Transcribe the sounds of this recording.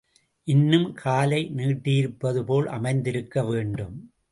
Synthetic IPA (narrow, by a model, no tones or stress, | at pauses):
ʔɪnːɯmkʰaːlɐɪniːʈːɪjɪɾɯpːɐðɯpoːlʔɐ̰mɐɪnd̪ɪɾɯkːɐʋeːɳɖɯm